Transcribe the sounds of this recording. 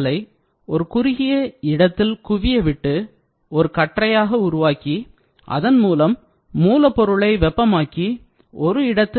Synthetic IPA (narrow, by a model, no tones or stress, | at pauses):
lɐɪ | ɔɾɯkʊɾɪɣɪjɐɪɽɐt̪ːɪlkʊʋɪjɐʋɪʈːɯ | ɔɾɯkɐʈrɐjaːɣɐʊɾʊʋaːki | ʔɐ̰ðɐnmuːlɐmː | uːlɐpːɔɾɯɭɐɪʋɛpːɐmaːki | ɔɾɯɪɽɐt̪ːɪ